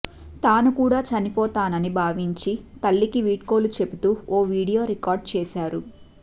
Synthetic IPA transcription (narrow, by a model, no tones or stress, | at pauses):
t̪aːnukuːɽaːt͡ʃɐnipɔːt̪aːnɐnibʱaːʋiɲt͡ʃit̪ɐlːikiʋiːʈko̞ːlut͡ʃe̞but̪uːɔːʋiːɽijo̞ːɾikaːɾɖ̚t͡ʃɛːʃaːɾu